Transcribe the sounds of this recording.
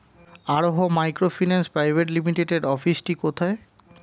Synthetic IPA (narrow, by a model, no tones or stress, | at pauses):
aɾoɦomajkɾofʰinanspɾajbʱeʈ̬limiʈeʈeɖɔfisʈikot̪ʰae